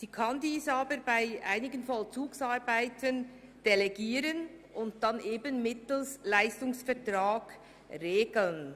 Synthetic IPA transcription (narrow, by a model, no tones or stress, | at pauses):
siːkʰandiːsaːbəɾbaɪʔa̰ɪnɪɡənfɔlt͡suːksaɾbaɪtʰən | d̥ɛlɛɡiːɾənʔʊnt̚d̥anʔeːbənmɪtl̩slaɪstʊŋsfɛɐtʁaːɡ̥ | ʁeːɡl̩n